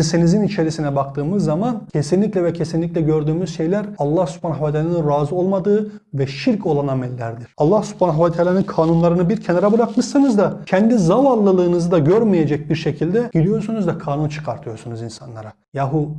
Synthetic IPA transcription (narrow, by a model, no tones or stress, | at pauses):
sinizinit͡ʃʰe̞ɾisinɛbakt̪ʰɯːmɯzːamancʰe̞sinlʲiclʲɛvɛcʰe̞sinlʲiclʲɛɟø̞ɾd̪yːmyzʃe̞jlʲæɾɑlˠːahsy̥pʰanavat̪ʰaːlanɯnɾaːzɯo̞lˠmad̪ɯː | vɛʃiɾco̞lˠanamɛlʲːæ̰ɾd̪iɾ̥ɑlˠːahsy̥pʰanavat̪ʰealʲanɯnkʰaːnunlˠaɾɯnɯbiɾcʰenaɾabɯɾakmɯʃsɯnɯzd̪acʰɛnd̪izavalˠːɯlˠɯːnɯzɯd̪aɟøɾmijed͡ʒɛc̚biɾʃecʰilʲd̪ɛɟilʲijo̞ɾsunuzd̪akʰaːnunt͡ʃʰɯ̥kʰaɾt̪ʰɯjo̞ɾsunuzinsanlˠa̰ɾa | jaːɦu